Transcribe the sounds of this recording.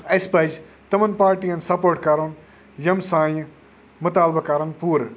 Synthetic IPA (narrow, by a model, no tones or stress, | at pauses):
ɐspɐd͡ʒ | t̪ɐmɐnpaːɾʈijɐnsɐpoːɾʈkɐɾoːn | jɐmsãːjɐ̃ | mʊt̪aːlbɐkɐɾɐnpuːɾ